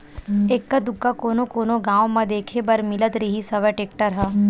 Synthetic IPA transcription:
eːkːad̪ʊkːakoːnokoːnoɡãːʋmɐ̃d̪eːkʰebɐɾmɪlət̪ɾiɦisɐʋɛʈeːk̚ʈəɾɦɛ

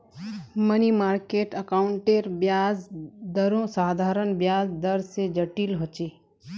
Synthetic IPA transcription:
mənimaːɾkeːʈəkaːʊɳʈeɾbjaːzd̪əɾõsaːd̪ʱaːɾənbjaːzd̪əɾsed͡ʒəʈilɦot͡ʃe

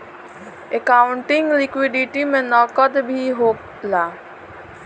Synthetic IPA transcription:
ekaʊɳʈɪ̃ŋɡlɪkwiɖiʈimẽnɔːkəd̪bʱiɦoː | laː

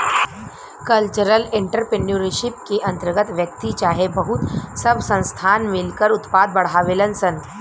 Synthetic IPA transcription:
kɐlt͡ʃəɾəlɪ̃ɳʈəɾpeɳuɾiʃɪp̚keʔɐ̃nt̪əɾɡət̪ʋjəkt̪it͡ʃaːɦebəɦʊt̪sɐbʱsə̃nst̪ʰaːnmɪlkəɾʊt̪paːd̪̚bɐɽ̤aːʋelənsən

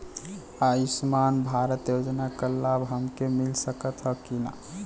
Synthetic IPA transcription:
aismanbʱaɾət̪jod͡ʒnakəlabɦəmkemilsəkət̪ɦəkina̰

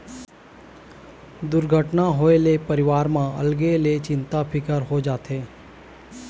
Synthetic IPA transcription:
d̪ʊɾɡʱəʈnaɦoelepəɾɪʋaːɾmãə̰lɡelet͡ʃɪnt̪apʰɪkəɾɦod͡ʒaːt̪ʰeː

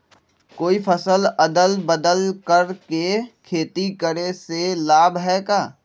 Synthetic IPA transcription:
koːipʰəsələd̪əlbəd̪əlkəɾkekʰeːt̪ikəɾeselaːbɦɛːkaː

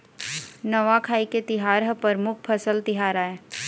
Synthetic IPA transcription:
nəʋakʰaːiket̪ɪɦaːɾɦəpəɾmʊkʰpʰəsəlt̪ɪɦaːɾaːeː

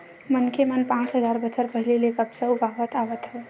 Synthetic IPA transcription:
mənkʰemənpãt͡ʃɦəd͡ʒaɾbət͡ʃʰəɾpəɦilelekəpsə̃ubʱaʋət̪aʋət̪ɦɛ

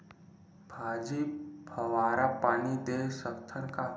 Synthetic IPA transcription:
bʱaːd͡ʒibʱəʋaːɾapaːnid̪esəkt̪ʰəɾka

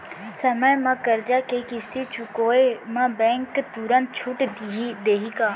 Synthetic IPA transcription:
səməjmãkəɾd͡ʒakekɪst̪it͡ʃʊkoːemãbɛ̃ːŋkt̪uɾə̃nt̪̚t͡ʃʰʊʈd̪iɦid̪eːɦikaː

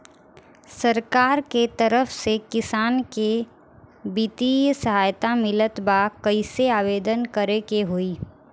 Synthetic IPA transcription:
sɐɾkaːɾket̪ɐɾəfsekɪsaːnke | bit̪ijsɐɦaːjt̪amɪlət̪bakɐiseaːʋeːd̪ənkəɾekeɦoiː

